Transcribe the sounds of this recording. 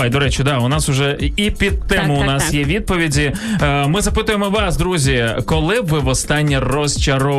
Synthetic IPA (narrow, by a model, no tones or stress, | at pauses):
jd̪ɔɾɛt͡ʃʊd̪ɑʊnɑsʊʒɛipʲid̪̚t̪ːɪmʊʊnɑsjɛʋʲid̪̚pɔʋʲidʲimɪzɐpɪt̪ʊjemɔʋɑsd̪ɾuzʲikɔlˠɪʋɪʋɔst̪ɑnʲːirɔst͡ʃɐɾɔ